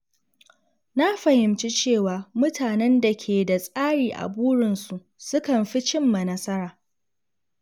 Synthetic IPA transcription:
na˦ɸɐ˨hɪ˨mt͡ʃi˦t͡ʃeː˦˨waː˨mʊ˦tʰaː˨nɛ˦nda˨kʲʰeː˨da˨sʼaː˦ɽiː˨ʔa̰˨buː˦ɽɪ˨nsu˨ʔ | sʊ˦kɐ˨mɸi˦t͡ʃɪ˦mːa˨nɐ˦sɐ˦ɾaː˨

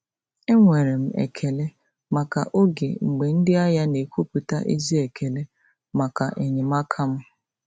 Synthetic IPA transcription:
e˦ŋʷe˨ɾe˨m̩˦ḛ˨kʰe˨le˦ | ma˨ka̰˨ʔo˦ɡe˨ŋ͡m̩˨ɡ͡be˨n̩˦dɪ˦a˦ja˦ne˨kʷu˦pu˨ta˦ʔḛ˦zi˦e˨kʰe˨le˦ | ma˨ka˨ʔe˨ɲɪ˨ma˦kʰa˦m̩˦

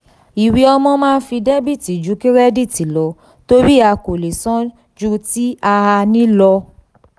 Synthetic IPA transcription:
i˨wi˧˦ɔ˧mɔ̃˧mãː˦˧n̩˦fi˧de˦bi˦˨ti˨d͡ʒu˨˦ki˦ɾɛ˦di˦˨ti˨lɔ˨˦ | to˦ɾi˦a˧ko˨le˨sɔ̃˦ | d͡ʒu˦ti˦a˧a˧nĩ˦lɔ˧

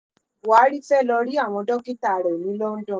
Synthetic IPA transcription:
wa˨˦ɾi˦fɛ˦˨lɔ˧ɾi˦a˦˨w̃ɔ̃˧dɔ˦ki˦ta˦˨ɾɛ˨o˨nĩ˨˦lɔ˦n̩˦dɔ̃˦˨

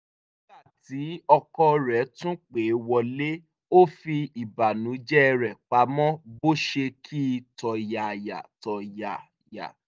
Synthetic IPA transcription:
ni˦la˦˨ti˨˦ɔ˧kɔ˧ɾɛ˨˦tũ˦k͡pe˨˦wɔ˧le˦ | o˦fi˧i˨ba˨nũ˨˦d͡ʒɛ˦˧ɾɛ˨k͡pa˨˦mɔ̃˦bo˦ʃe˧kʰi˦˧tɔ˨ja˨ja̰˨tɔ˨ja˨ | ja̰˨

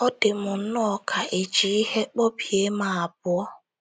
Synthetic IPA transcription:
ɔ˦dɪ˨mʊ˨n̩˦nɔ˦ɔ˨kʰa˨ʔe˨d͡ʒi˨i˦he˦k͡pɔ˦pje˦ma˨a˨bʊ˦ɔ˦

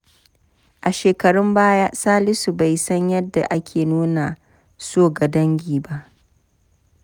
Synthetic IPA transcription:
ʔa˨ʃeː˨kɐ˨ɽʊ˦mbaː˦ja˦saː˦lɪ˦su˨ba˨jsɐ˦ɲjɐ˦dːa˨ʔa˦kʲʰeː˨nuː˦na˨ | soː˦˨ɡɐ˨dɐ˦ŋɡʲiː˨ba˦˨ʔ

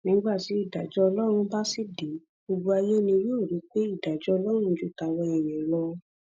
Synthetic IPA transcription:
nĩ˨˦ɡ͡ba˦˨ti˨˦i˦˨da˨d͡ʒɔ˦ɔ˧lɔ˦ɾ̃ũ˧ba˦si˦˨de˨˦ | bo˧bo˧a˧je˦nĩ˧jo˦o˦˨ɾi˨˦k͡pe˦i˦˨da˨d͡ʒɔ˦ɔ˧lɔ˦ɾ̃ũ˧˦d͡ʒu˦ta˧wɔ̃˧ɛ˨j̃ɛ̃˨lɔ˧

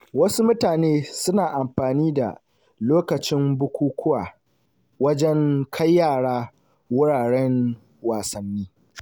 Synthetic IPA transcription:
wɐ˦su˦mʊ˦taː˨neː˦sʊ˦naː˨ʔa˨mɸaː˨niː˦da̰˨ | loː˦kɐ˨t͡ʃɪ˦mbʊ˦kʷuː˦kʷʰʊ˦waː˨ | wɐ˦d͡ʒɛ˦ŋkʰa˦jːaː˦˨ɽaː˦ | wʊ˦ɽaː˨ɽɛ˦ŋ | waː˨sɐ˨nːiː˦

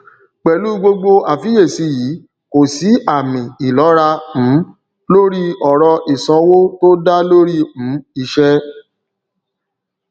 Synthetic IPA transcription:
k͡pɛ˨lu˨˦ɡ͡bo˧ɡ͡bo˧a˨fi˨˦je˦˨si˨˧jiː˨˦ | ko˨si˨˦a˦˨mĩ˨i˨lɔ˨˦ɾã˧˨˦ | lo˦ɾi˦ɔ˨ɾɔ˧ʔi˨sã˧˦wo˦to˦da˦lo˦ɾi˦m̩̃˨˦i˧ʃɛ˦

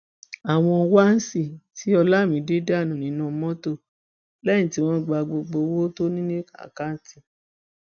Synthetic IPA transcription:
a˨w̃ɔ̃˧wa˦n̩˦si˦˨ti˨˦ɔ˧la˦˨mĩ˨˦de˦da˦˨nũ˨nĩ˨˦nã˦˨˧mɔ̃˦to˦˨ | lɛ̃˦ĩ˨ti˨˦w̃ɔ̃˦ɡ͡ba˧ɡ͡bo˧ɡ͡bo˧wo˦to˦nĩ˦nĩ˦ka̰˨ka˦n̩˦ti˦

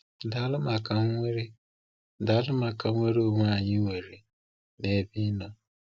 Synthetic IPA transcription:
da˨˦lʊ˦ma˨ka˨ŋ˦ŋʷe˦ɾe˦ | da˨˦lʊ˦ma˨ka˨˦ŋʷe˦ɾe˦o˦˨ŋʷ˦a˨ɲɪ˦ŋʷe˨ɾe˨ | ne˨˦bi˦nɔ˦

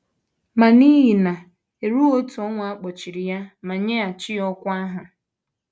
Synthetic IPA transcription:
ma˨ni˦ɦi˨na˨ | e˨ɾu˦o˦tu˨ɔ˦ŋʷ˨a˦k͡pɔ˨t͡ʃi˨ɾi˨ja˦ma˨ɲe˦a˨t͡ʃɪ˦ɔ˦kʷa˦ɦʊ˨

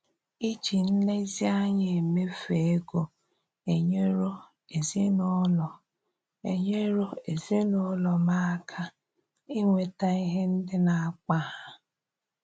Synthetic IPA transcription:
i˦t͡ʃi˨n̩˦ne˦zi˦a˦ɲe˨e˨me˦fe˨e˦ɡo˨ | e˨ɲe˦ɾo˦ | e˨zi˦nɔ˦lɔ˨ | e˨ɲe˦ɾo˦e˨zi˦nʊ˦lɔ˨ma˦kʰa˦ | i˦ŋʷe˨ta˦i˦ɦe˦n̩˦dɪ˦na˨a˨k͡pa˦ɦa˨

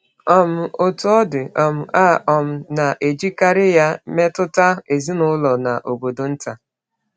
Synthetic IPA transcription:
ɔ˨m̩˨o˨tʊ˨ɔ˦dɪ˨ɔ˨m̩˨ʔa˦˨ʔɔ˨m̩˨na˨ʔe˨d͡ʒi˦ka˦ɾɪ˦ja˦me˦tʊ˦ta˦˨e˨zi˦nʊ˦lɔ˨na˨ʔo˨ɡ͡bo˨do˨n̩˦ta˨

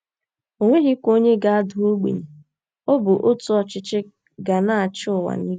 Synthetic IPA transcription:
o˨ŋʷe˦ɦɪ˦kʷo˦ɲe˦ɡa˨a˦dʊ˨o˦ɡ͡bḛ˨ɲe˨ | o˦bʊ˨ʔo˦tʊ˨˦ɔ˨t͡ʃɪ˦t͡ʃɪ˦ | ɡa˨na˦a˨t͡ʃʊ˦ʊ˨wa̰˨ni˦

